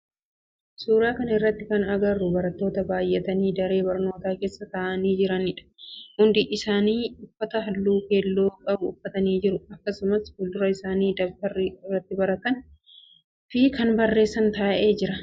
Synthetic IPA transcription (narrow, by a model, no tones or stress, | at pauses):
suːɾaːkɐnɐɪrːɐt̪ːɪkɐnɐɡɐrːʊbɐɾɐt̪ːo̞ːt̪ɐbaːjʔɛt̪ɐniːd̪ɐɾe̞ːbɐɾno̞ːt̪aːke̞ːsːɐt̪aːʔɐniːd͡ʒɪɾɐnɪᶑɐ̥hʊnd̪ɪʔɪsaːniːʊfːɐt̪ɐɦɐlːuːke̞ːlːoːkʼɐbʊʊfːɐt̪ɐniːd͡ʒɪɾʊɐkːɐsʊmɐshʊld̪ʊɾɐɪsaːniːd̪ɐbt̪ɐrːɪɪrːɐt̪ːɪbɐɾɐt̪ɐn | fɪkɐnbɐrːe̞ːsːɐnt̪aːʔe̞ːd͡ʒɪɾɐ